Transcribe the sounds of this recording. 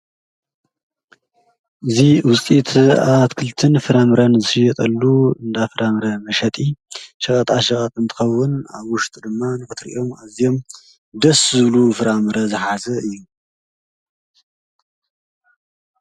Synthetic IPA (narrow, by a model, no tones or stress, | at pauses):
ʔɨziwʊt͡sʼit̪ʰaβat̪kʰɨlt̪ʰɨnfɨɾamɨɾɐnzɨʃɨjɐt̪ʼɐlːuɨnd̪afɨɾʔamɨɾɐmɐʃɐt̪ʼiʃɐkʼɐt̪ʼaʃɐkʼɐt̪ʼɨnt̪ʰɨ̥xɐwːʊna̰βwʊʃt̪ʼd̪ɨmːanɨkɨt̪ɾʔḭʔo̞mazijo̞m | d̪ɐszɨβlufɨɾamɨɾɐzɨħasɐɨjːu